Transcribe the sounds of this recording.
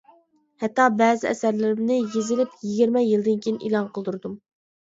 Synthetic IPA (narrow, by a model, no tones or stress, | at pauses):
hɛt̪ːɑbɛːzɪɛsæɾlɪɾɪmnɪjezɪlɪpjiɡʲiɾmɛjilˠd̪ɪnkʲʰijnʔilˠɑnqʰəlˠd̪uɾd̪um